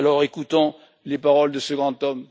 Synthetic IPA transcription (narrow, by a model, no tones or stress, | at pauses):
lɔʁekut̪ɔ̃ | lepaʁɔld̪əsəɡʁɑ̃t̪ɔm